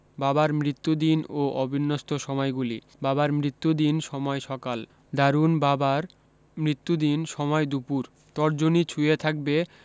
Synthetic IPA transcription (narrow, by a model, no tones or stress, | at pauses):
babaɾmɾit̪ːud̪inoʔɔbʱinːost̪ʰoʃɔmɔjɡuli | babaɾmɾit̪ːud̪inʃɔmɔeʃɔkal | d̪aɾunbabaɾ | mɾit̪ːud̪inʃɔmɔed̪upuɾ | t̪ɔɾd͡ʑonit͡ɕʰuet̪ʰak̚be